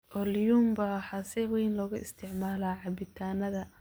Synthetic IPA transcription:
ʔɔljuːmbɐwħɑsɪwɛjnlɔːɣʊɪ̰st̪ʰɪʕmaːlaːʕɑbɪt̪ʰaːnɐðɐ

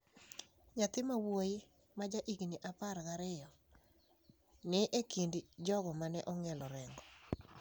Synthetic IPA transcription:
ɲat̪ɪmawojɪ | mad͡ʒaʔiɡniʔaparɡaɾɪjɔ | nɪʔekindd͡ʒɔɡɔmanɛʔɔŋɛlɔɾɛŋɡɔ

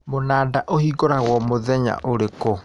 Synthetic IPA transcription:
monaːdaʔohiɡoɾaɣwɔmoðɛɲa̰ʔoɾeko

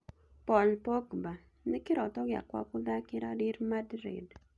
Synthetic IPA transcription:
pɔlpɔkba | nikɪɾɔtɔɡja̰kwa̰kʊðakɪɾadiɾmadɾḛd

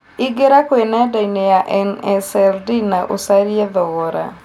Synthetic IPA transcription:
iɡeɾakwenɛdainɛjaʔɛnɛsɛldinaʔosaɾiɛðɔɣɔɾa̰

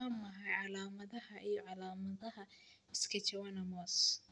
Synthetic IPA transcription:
ɐmɐɦɐjʕɑlaːmɐðɐɦɐʔijɔʕɑlaːmɐðɐɦɐ | ɪskʰɐt͡ʃɐwanɐmɔːs

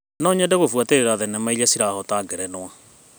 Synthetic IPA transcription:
nɔɲɛdeɣofwateɾeɾaðɛnɛmaiʎasiɾahɔtaːɡɛɾɛnwa

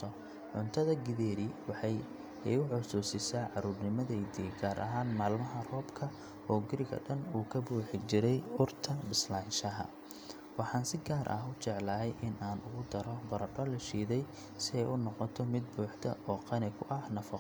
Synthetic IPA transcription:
ɔ | ʕʊnt̪ʰɐðɐɡɪðɛːɾiwɑħɑj | ɛjʊħʊsuːsɪsaːʕɑɾuːrnɪmɐðɛjd̪iːɡaːɾʔɐ̰ɦaːnmaːlmɐɦɐrɔːbkʰɐ | ɔːɡɪɾɪɣɐ̰ɖɐnuːkʰɐbuːħɪɡt͡ʃɪɾɛjʊrt̪ʰɐbɪslaːnʃɐɦɐ̰ | wɑħɑːnsɪɡaːɾʔɐ̰ɦʊt͡ʃɛʕlɐːɦɛjʔɪnʔaːnʊɣʊd̪ɐɾɔbɐɾɐɖɔlɐʃiːðɛj | sɪɛjʔʊnɔqɔt̪ʰɔmɪd̪̚buːħd̪ʰɐ̰ɔːqɑnɪkʰʊʔɐhnɐfɑq

